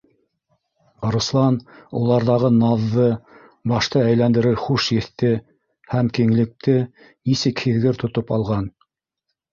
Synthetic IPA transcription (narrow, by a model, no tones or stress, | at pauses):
ɾuslˠɑnṵlˠɑɾðɑʁɤnɑðːɤ | bɑʃt̪ɤæjlænd̪ɘ̆ɾɘɾχuʃjɘ̆θt̪ɘ | hæmkiŋlɘ̆k̚t̪ɘ | nisɘkhɘ̆ðɡɘɾt̪ŏt̪opɑlˠʁɑn